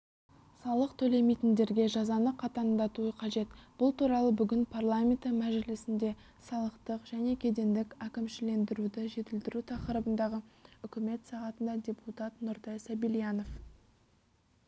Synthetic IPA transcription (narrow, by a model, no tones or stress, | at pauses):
sɑlˠəqt̪ʰɵle̞me̞jt̪ɪnd̪e̞ɾɡʲe̞ʒɑzɑnəqʰɑt̪ɑnd̪ɑt̪uəqʰɑʒe̞t̪b̥ʊlˠt̪ʰuɾɑlˠəbʏɡʲɪnpʰɑrlˠamʲe̞nt̪emæʒɪlɪsɪnd̪e̞ | sɑlˠəqt̪əqʒæne̞kʲʰe̞d̪e̞nd̪ɪkʲækʲɪmʃɪle̞nd̪ɪɾud̪ɪʒe̞t̪ɪld̪ɪɾut̪ʰɑqəɾəbənd̪ɑʁəʏkʲɪme̞t̪sɑʁɑt̪ənd̪ɑd̪ʲe̞put̪at̪nʊɾt̪ɑjsæbilijɑno̞f